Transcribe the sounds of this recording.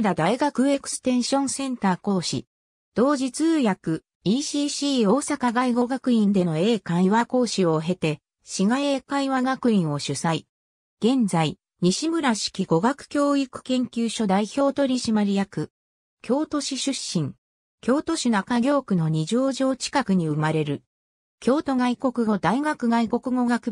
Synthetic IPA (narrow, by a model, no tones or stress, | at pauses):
d̪ad̪aiɡakɯ̟e̞kɯ̟̥sɨ̥t̪ẽ̞ɰ̃ɕõ̞ɰ̃sẽ̞nt̪aːko̞ːɕḭ | d̪̥o̞ːʑit͡sɨːjakɯ̟ | iɕiɕiːoːsakaɡaiɡo̞ɡakɯ̟ĩnd̪e̞no̞e̞ːkãiβako̞ːɕio̞ɦe̞t̪e̞ | ɕiɡae̞ːkaiβaɡakɯ̟ĩɰ̃o̞ɕɨsai | ɡ̥ẽ̞nd͡zai | ɲ̟iɕimɯ̟ɾaɕi̥kʲiɡo̞ɡakɯ̟̥kʲo̞ːikɯ̟̥kẽ̞ŋkʲɨːɕo̞d̪aiço̞ːt̪o̞ɾʲiɕimaɾʲijakɯ̟ | kʲo̞ːt̪o̞ɕiɕɨɕːĩŋ | kʲo̞ːt̪o̞ɕinakaɡʲo̞ːkɯ̟no̞ɲ̟iʑo̞ːʑo̞ːt͡ɕi̥kakɯ̟ɲ̟iɯ̟maɾe̞ɾɯ̟ | kʲo̞ːt̪o̞ɡaiko̞kɯ̟ɡo̞d̪aiɡakɯ̟ɡaiko̞kɯ̟ɡo̞ɡakɯ̟